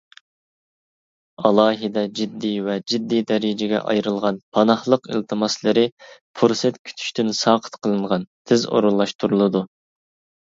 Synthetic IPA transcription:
ɑlˠɑːɦɨd̪ɛd͡ʒid̪ːivɛd͡ʒid̪ːijd̪ɛɾid͡ʒɪɡʲɛ̰ʔɑ̰jɾɨlˠʁɑnpʰɑnɑhlˠəqḭlt̪ʰɨmɑslˠɨɾɨpʰuɾsɛt̪kʲʰy̥t̪ʰy̥ʃt̪ynsɑːqʰə̥t̪qʰəlˠɨɴʁɑnt̪ʰɪzo̰ɾulˠːɑʃt̪ʰuɾulˠɨd̪u

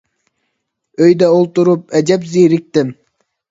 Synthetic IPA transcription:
øjd̪æolˠt̪uɾup̚æd͡ʒæp̬ziːɾik̚t̪im

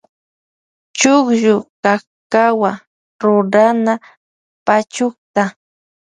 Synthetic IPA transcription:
t͡ʃʊχʒʊka | kawa | ɾʊɾana | pat͡ʃʊkt̪a

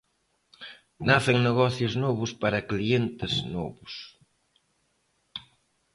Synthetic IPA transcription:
naθeŋneɣɔθjʊznɔβʊspaɾɐklient̪ɪznɔ̰βʊs

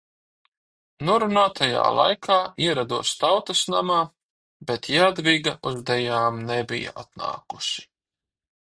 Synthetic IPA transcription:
nuɔɾunaːt̪ʰaja̰ːlˠa̰jkʰaːiɛɾad̪uɔst̪awt̪ɐsnamaː | bɛt̪jad̪viɡaʔuzd̪ɛjaːmnɛbḭja̰ʔat̪na̰ːkuʃi̥

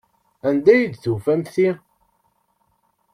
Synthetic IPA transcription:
ænd̪æjid̪θufæmθi

